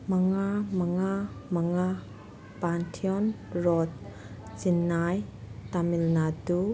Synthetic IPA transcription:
maŋamaŋamaŋa | pantʰiɔn | ɹɔt̪̚ | t͡ʃinːajt̪amilnatu

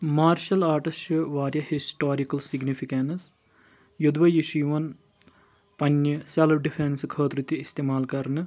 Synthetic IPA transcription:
maːɾʃɐlaːʈɐsjɐʋaːɾjɐhisʈoːɾikɐlsiɡnifʰikɐns | jud̪ʋɐjiʂiʋɐn | pɐnjɐsɐlbɖifʰenskʰəːt̪ɾut̪iːst̪emaːlkɐɾɐnɨ

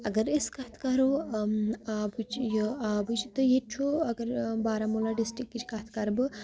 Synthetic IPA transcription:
ɐɡəɾeskaːt̪ʰkaːɾo | abut͡ʃjaːbut͡ʃit̪ɨjet͡ʃʰoɐɡɐɾbaːɾamulaɖisʈɾikːit͡ʃʰkaːt̪ʰkaːɾbɨ

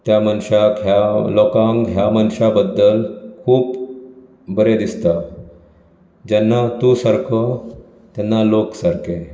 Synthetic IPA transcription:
t̪jamənɕakjalɔkãŋkɦjamənɕabəd̪ːəlkʰuːp | bəɾed̪ist̪a | d͡ʑɛnːat̪usəɾkʰə | t̪janːaloksəɾke

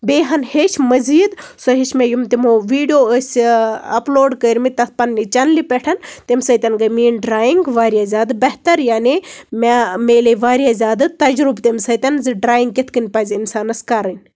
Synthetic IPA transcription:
beːɦɐnheʃmɐziːd̪sɔɦeʃmejumt̪imoːʋiːɖijoːəsʲɐ̰ploːɖkəɾʲmit̪ɐt̪̚ʰpɐnːit͡ʃɐnlipʲɛʈʰɐnt̪emʲsɐjt̪ʲɐnɡɐmiːnɖɾaːjiŋɡʋaːɾʲjazʲaːd̪bɐɦt̪ɐɾjaːnimameːleʋaːɾijazʲaːd̪ɨt̪ɐd͡ʒɾubt̪emʲsɐt̪ʲɐnzɨɖɾaːjiŋɡkʲet̪ʰkɨnʲpɐːzʲinsaːnɐskɐɾɐnʲ

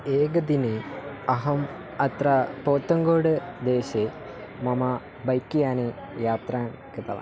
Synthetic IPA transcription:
eːɡɐd̪iniɐɦɐm | ɐt̪ɾɐpoːt̪ːɐŋɡoːɽɨd̪eːɕe | mɐmɐ | bɐjkːijaːni | jaːt̪raːn | kit̪ɐ̰lɐ̰

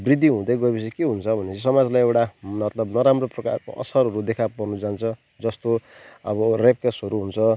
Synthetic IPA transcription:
brid̪ʱːiɦũd̪ʌjɡʌjbis̬ikeɦunt͡sʰʌbʱʌnet͡sʰʌsʌmad͡zlajewʈanʌt̪lʌbnʌɾamroprʌka̰rko̰ʔʌ̰sʌɾɦʌɾud̪ekʰapʌrnud͡zant͡sʰʌ | d͡zʌst̪oʌ̰bʌrep̚kesʌɾuɦunt͡sʰʌ

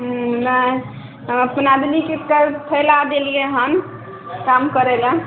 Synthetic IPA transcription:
nə | əpnad̪likekəpʰəlad̪elieɦən | kamkəɾelə

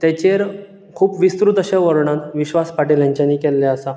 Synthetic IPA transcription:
t̪jɛt͡ɕeɾ | kʰuːpʋist̪ɾut̪əɕaʋəɾɳãnʋiɕʋaspaʈiljãɲt͡ɕjanːiːkɛlːeəsa

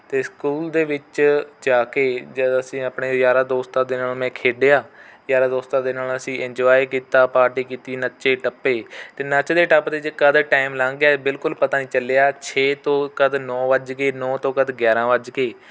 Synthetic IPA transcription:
t̪eːskuːld̪eːʋɪt͡ʃd͡ʒaːkeːd͡ʒəəsĩːəpɳeːd͡ʒaːɾaːd̪oːst̪ãːd̪eːnaːlmɛ̃ːkʰeːɖeːaːd͡ʒaːɾaːd̪oːst̪ãːd̪eːnaːləsĩːʔɪ̃ɲd͡ʒoaːikiːt̪aːpaːɾʈiːkiːt̪iːnəʃeːʈəpːeːt̪eːnət͡ʃd̪eːʈəpd̪eːkəd̪ʈaːɪmlãːŋɡaːbɪlkʊlpət̪aːnĩːt͡ʃəleːaːt͡ʃʰeːt̪õːkəd̪nɔːʋəd͡ʒkeːnɔːt̪õːkəd̪ɡjaːɾãːʋəd͡ʒkeː

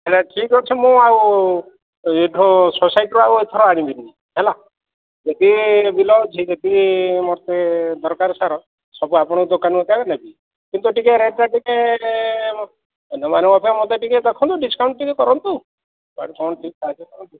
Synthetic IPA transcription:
ɦelaʈʰikːɔt͡ʃʰimũaw | eʈʰɔ̃sosajʈɾuauet̪ʰɔɾɔaɽ̃ĩbiɾi | ɦela | d͡ʒet̪ibilɔbt͡ʃʰid͡ʒed̪imɔɾt̪ed̪ɔɾkaɾsaɾɔ | sɔbuapɔɽ̃ɔd̪okanɔkɔkakenabi | kint̪uʈikeɾeʈːaʈike | nɔmaneɔpʰiamot̪eʈiket̪ɔkʰɔ̃nt̪uɖiskawɳʈʈikekɔɾɔnt̪u | baɽkɔɳʈʰikkad͡ʒɔkɔɾɔnt̪u

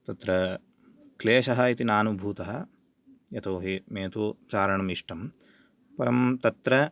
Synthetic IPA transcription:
t̪ɐt̪ɾɐ | kleːʃɐɦɐit̪inaːnubʱuːt̪ɐɦɐ | jɐt̪ʰoːɦimeːt̪ut͡ʃaːɾɐɳɐmiʂʈɐm | pɐɾɐmt̪ɐt̪ɾɐ

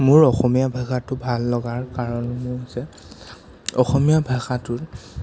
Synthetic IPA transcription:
mʊɹɔxɔmijabʱaxatʊbʱalːɔɡaɹkaɹɔnmʊɹasɛ | ɔxɔmijabʱaxatʊt

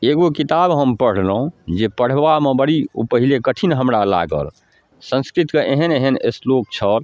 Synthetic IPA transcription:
eɡokit̪abɦəmpəɽ̤ləɦũd͡ʒepəɽ̤bamẽbəɽio̰pəɦilekəʈʰinɦəmɾala̰ɡə̰l | sə̃nskɾit̪keʔeɦəneɦənḛslok̚t͡ʃʰəl

